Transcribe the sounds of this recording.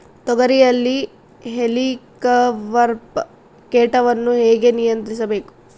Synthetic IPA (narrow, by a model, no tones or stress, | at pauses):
t̪ɔɡɐɾijɐlːi | ɦelikɐʋɐɾp | keːʈɐʋɐnːuɦeːɡe̞nijɐnt̪ɾisɐbe̞ːku̥